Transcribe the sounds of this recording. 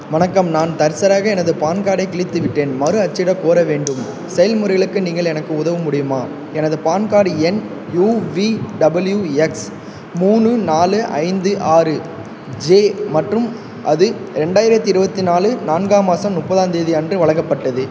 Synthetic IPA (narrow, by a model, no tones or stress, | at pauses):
mɐnɐkːɐmnaːnt̪ɐɾsɐɾaːɣɐɛnɐðɯpaːnkaːɽɐɪkɪɭɪt̪ːɯʋɪʈːeːnmɐɾɯɐt͡ʃːɪɽɐkoːɾɐʋeːɳɖɯm | sɛjɐlmʊɾɐɣɐɭɯkːɯniːŋɡɐɭɛnɐkːɯʊðɐʋɯmʊɽɪjɯmaː | ɛnɐðɯpaːnkaːɽiɛn | juːʋiɖɐbɐljuɛks | muːɳɯnaːlɯʔɐ̰ɪnd̪ɯʔaːɾɯ | d͡ʒeːmɐʈrɯm | ʔɐðɯɪɾɛɳɖaːjɪɾɐt̪ːiɪɾɯbɐt̪ːinaːlɯnaːnɡaːmaːsɐmnʊpːɐðaːnd̪eːðiɐndrɯʋɐɭɐŋɡɐpːɐʈːɐðɯ